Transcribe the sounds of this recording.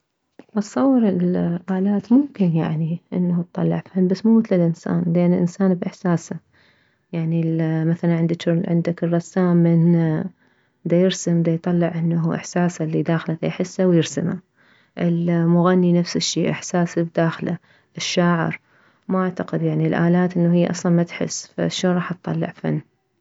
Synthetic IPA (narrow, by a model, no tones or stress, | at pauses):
ʔɑt̪sˤːɑwːɑɾɪlʔaːlaːt̪mʊmkɪnja̰ʕniʔɪnːat̪t̪ˤːɑlːɑ̰ʕfanbasːmuːmɪt̪lalʔɪnsa̰ːnlʔanːɪlʔɪnsaːnbʔɪħsaːsa | jaʕnilmaθalanʕɪnd̪aʃʕɪnd̪akɨrˤːɑsːaːmːɪn | d̪ajɪɾsɪmd̪ajt̪ˤɑlːɪʕʔɪnːaɦuʔɪ̰ħsaːsalːid̪aːxlad̪a̰jħɪsːawjɪɾsama | ʔɪlmʊɣanːinafsɪʃːḭːʔɪ̰ħsaːsbd̪aːxla̰ | ʔɪʃːaːʕɪ̰ɾ | maʔaʕt̪aqɪd̪jaʕnilʔaːlaːt̪ʔɪnːaɦɪjːaʔɑ̰sˤlɑnmat̪ħɪ̰sfa̰ʃːoːnɾˤɑːħɑt̪t̪ˤːɑ̰lːɪ̰ʕfa̰nː